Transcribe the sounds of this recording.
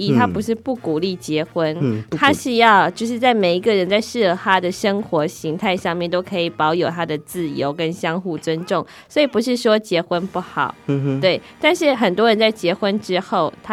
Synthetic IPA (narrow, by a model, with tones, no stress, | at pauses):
i˥˩t̪ʰa˥pu˧˥ʂɻ̩˥˧pu˥˩ku˨˩li˥˩t͡ɕjɛ˧˥xwə˦˥nt̪ʰa˥ɕy˥jɑ˥˧ʊt͡ɕjo˥˧ʊʂ̬ɻ̩˥˧t͡sa˥˩ɪme˨˩ɪi˧˥ɡə˨ɻə˧˥nt͡sa˥˧ɪʂɻ̩˥˩ə˧˩t̪ʰa˥d̪ə˨ʂə˥ŋxwɔ˧˥ɕi˧˥ŋt̪ʰa˥˧ɪʂɑ˥˧ŋmjɛ˥˩nt̪o˥ʊkʰɤ˧˥i˨˩pɑ˧˥ʊjo˨˩ʊt̪ʰa˥d̪ə˨t͡sɹ̩˥˩jo˧˥ʊkə˦˥nɕjɑ˥ŋxu˥˩t͡swə˦˥nʈ͡ʂʊ˥˩ŋ | swɔ˧˥i˨˩pu˧˥ʂ̬ɻ̩˥˩ʂwɔ˥t͡ɕjɛ˧˥xwə˦npu˥˩xɑ̰˨˩˦ʊt̪we˥˩ɪt̪a˥˧nʂɻ̩˥˩xə˨˩nt̪wɔ˥ɻə˧˦nt͡sa˥˩ɪt͡ɕjɛ˧˥xwə˦nʈ͡ʂɻ̩˥xo˥˩ʊt̪ʰ